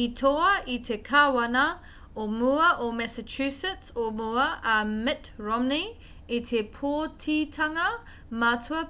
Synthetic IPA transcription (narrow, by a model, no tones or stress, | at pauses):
itʰoɐʔitʰekʰawana | omuɐʔomɛsət͡ʃʰusətomuɐʔamɪtɹɔmni | itʰepʰotʰitʰaŋɐ | matʰuɐ